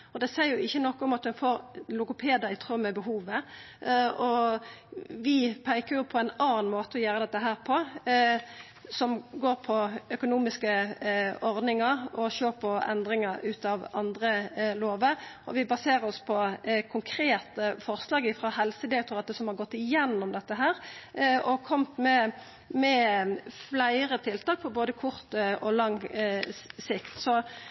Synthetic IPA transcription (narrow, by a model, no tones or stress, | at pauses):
ɔd̪ɛsæɪəɾjʊɪçːənɔkːʊmɑt̪̚d̪ʉnfoːɾlʊkʊpʰeːd̪əɾɪt̪ʰʁœmːəbəɦuːʋə | ɔ | ʋɪpʰæɪkəɾjʊpʰɔæɪnɑːnmoːt̪əɔjøːɾəd̪ɛt̪ːəɦæːɾpʰɔ | sɔmɡoːɾpʰɔœkʊnuːmɪskə | ɔɾd̪nɪŋɑɾɔɕøːɾpʰɔɛ̰nd̪ɾɪŋəɾʉːt̪ɑʋɑnd̪ɾəloːʋəɾʔɔʋɪbɑseːʁəɾɔspʰɔkʰʊŋkʰɾeːt̪əfɔʁslɑːɡɪfʁɑhɛlsəd̪eːt̪ʊɾɑt̪̚d̪ɛsɔmhɑɾɡɔt̪ːɪjɛnːɔmd̪ɛt̪ːəɦæːɾɔkʰɔmt̪mɛ | mɛflæɪʁət̪ʰɪlt̪ʰɑːk̚pʰɔboːd̪əkʰʊʁt̪ɔlɑŋː | sɪkt̪sɔ